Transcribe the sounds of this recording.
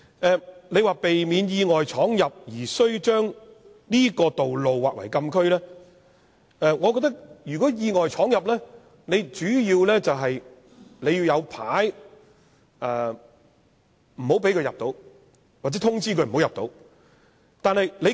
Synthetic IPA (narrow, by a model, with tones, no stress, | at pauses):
ʔɛː˨˧le˨˧jwaː˨˩pe˨jmiː˨˧njiː˧ŋɔː˨jt͡ʃʰɔː˨˥ŋjɐ˨p̚jiː˨˩sɵ˥ɥt͡ʃœː˥ŋ | niː˥kɔː˧t̪o˨wlo˨wwaː˨k̚wɐ̰˨˩jkɐ˧mkʰɵ˥ɥlɛː˥ | ʔɛː˧ŋɔː˨˧kɔː˧t̪ɐ˥k̚jyː˨˩kɔː˨˥jiː˧ŋɔː˨jt͡ʃʰɔː˨˥ŋjɐ˨p̚lɛː˥ | ne˨˧jt͡ʃyː˨˥jiː˧wlɛː˥t͡sɐ˨wɦɐ˨j | le˨˧jiː˧wjɐ˨˧wpʰaː˨˥j | ʔɛː˨˩ | m̩˨˩ho˨˥wpe˨˥kʰɵ˧jɐ˨p̚t̪o˨˧˥w | waː˨k̚t͡sɛː˨˥t̪ʰʊ˥ŋt͡siː˥kʰɵ˧m̩˨˩o˨˥wjɐ˨p̚t̪o˧w | t̪aː˨˧nhɐ˨jle˨˧